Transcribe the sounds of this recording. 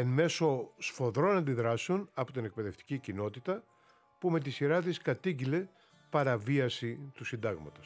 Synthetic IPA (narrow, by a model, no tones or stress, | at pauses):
enme̞so̞sfo̞ðɾo̞nɐnd̪iðɾɐsunɐpot̪ine̞k̚pe̞ðe̞ft̪i̥cicino̞t̪it̪ɐ | pume̞t̪̬isiɾɐt̪iskɐt̪iɟile̞ | pɐɾɐviɐsit̪usind̪ɐɣmɐt̪ɐs